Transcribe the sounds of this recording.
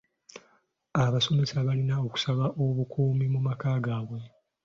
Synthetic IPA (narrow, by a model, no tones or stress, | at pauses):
aβaso̞me̞saβalinao̞ku̥saβaʔo̞βukʰuːmimumakaːɡaːβwe̞